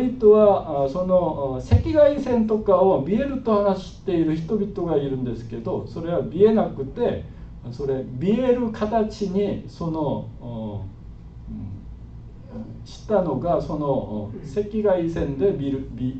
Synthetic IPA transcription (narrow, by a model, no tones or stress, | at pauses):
bʲit̪oβaso̞no̞se̞kʲiɡaisẽ̞nt̪o̞kaobʲie̞ɾɯ̟t̪o̞hanaɕi̥ɕi̥t̪ːe̞iɾɯ̟çi̥t̪o̞bʲit̪o̞ɡaiɾɯ̟̃nd̪e̞sɨ̥ke̞d̪o̞so̞ɾe̞βabʲie̞nakɯ̟t̪e̞ | so̞ɾe̞bʲie̞ɾɯ̟kʰat̪at͡ɕiɲ̟iso̞no̞ | ɕi̥t̪ano̞ɡaso̞no̞se̞kʲiɡaisẽ̞nd̪e̞bʲiɾɯbʲi